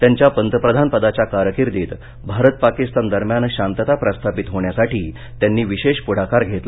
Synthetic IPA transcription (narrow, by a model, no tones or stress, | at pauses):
t̪jaɲt͡ɕjapənt̪əpɾəd̪ʱanpəd̪at͡ɕjakaɾəkiɾd̪eːt̪ | bʱaɾət̪̚pakist̪and̪əɾmjanɕant̪ət̪apɾəst̪ʰapit̪ɦoɳjasaʈiː | t̪janːiːʋiɕeɕpuɽ̤akaɾɡʱet̪la